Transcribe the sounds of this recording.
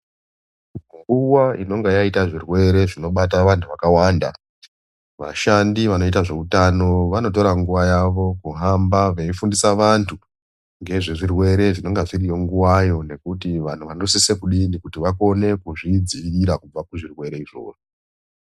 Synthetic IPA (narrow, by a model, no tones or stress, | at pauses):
ŋɡuwaino̞ŋɡejaitaʐirwe̞ɾe̞ʐino̞ɓataʋantʰuʋakawaːnda̰ | ʋa̰ʃandiʋano̞itaʐe̞utano̞ʋano̞t̬o̞ɾaŋɡuʋajaʋo̞kuɦambaʋeifundisaʋantʰu | ŋɡe̞ʐiʐirwe̞ɾe̞ʐino̞ŋɡaʐirijo̞ŋɡuwajo̞ne̞kutiʋan̤uʋanorusise̞kuɗindikutiʋako̞ne̞kuʐid͡ziːɾakub͡vakuʐirwe̞ɾe̞iʐo̞̰ːʐo